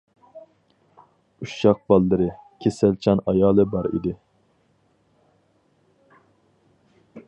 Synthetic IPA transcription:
uʃːɑq̚bɑlˠːɨɾɨkʲʰesælt͡ʃʰɑnɑjɑːlˠɨbɑɾḭd̪ɪ

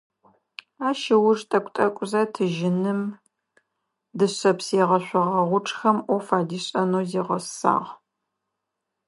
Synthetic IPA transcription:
aːʃɪwʊʐtʼɐkʷʼtʼɐkʷʼʊzatʰɨʒɪnɨm | dɨɕɐpsiʁɐɕʷɔʁɐʁʷʊʈ͡ʂʼxɐmʔʷɔfaːdiːɕʼɐnoːziːʁɐsa̰ːʁ

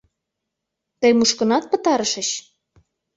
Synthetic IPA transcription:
t̪əjmuʃkə̆nɑt̪̚pə̆t̪ɑɾəʃə̆ɕ

